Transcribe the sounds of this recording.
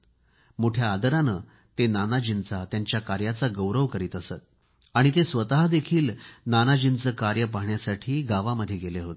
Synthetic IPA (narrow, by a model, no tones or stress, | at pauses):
mouʈʰjaːd̪əɾanə | t̪enanad͡ʑint͡sat̪jaɲt͡ɕjakaɾjat͡saɡəwɾəʋkəɾiːt̪əsət̪̚ | aɽ̃it̪esʋət̪aɦd̪ekʰiːlnanad͡ʑint͡səkaɾjəp̬aɦɳjasaʈʰiːɡaʋaməd̪ʱːjeɡeleɦot̪e̥